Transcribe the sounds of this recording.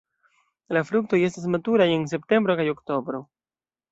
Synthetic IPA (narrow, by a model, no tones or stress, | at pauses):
lafɾuk̚to̞je̞stas̬matuɾaje̞ns̬e̞p̚te̞mbɾo̞kajo̞kto̞bɾo̞